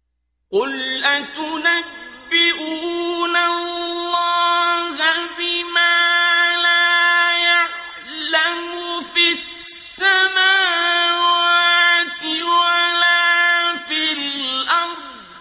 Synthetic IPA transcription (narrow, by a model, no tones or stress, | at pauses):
qʊlʔat̪ʊnabbːɪʔuːuːnallːɑːɣabimalaja | lam | ʊfi | ssːamaːwat̪ɪwalafilʔɑɾdd̪